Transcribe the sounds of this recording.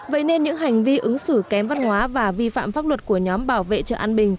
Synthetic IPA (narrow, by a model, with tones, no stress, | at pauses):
və̰˧˨jne˧nɲɨ̰˧˥ŋɦa˨˩jŋ̟vi˧ʔɨ˨˦ŋsɨ˧˩kɛ˨˦mva˧nhwaː˨˦vaː˨˩vi˧fa̰ː˧˨mfaː˦˥p̚lwə˨˩t̚ku˧˩əɲɔ˨˦mɓaː˧˩wvḛ˧˨t͡ɕə̰ː˧˨ʔaː˧nɓï˨˩ŋ̟